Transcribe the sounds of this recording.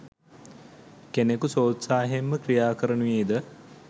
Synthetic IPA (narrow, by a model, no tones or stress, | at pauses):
kenekusoːt̪saːɦemːəkrijaːkəɾənujeːd̪ə